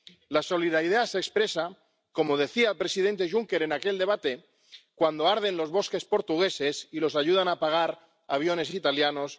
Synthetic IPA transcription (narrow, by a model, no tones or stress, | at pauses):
laso̞liðaɾiðasekspɾe̞sa | ko̞mo̞ð̞e̞θiaelpɾe̞siðe̞nt̪eʒuŋke̞ɾe̞nake̞ld̪e̞β̞at̪e̞ | kwand̪o̞aɾð̞e̞nlo̞zβo̞ske̞spo̞ɾt̪uɣe̞se̞silo̞saʝuð̞anapaɣ̞aɾ | aβ̞jo̞ne̞sit̪aljano̞s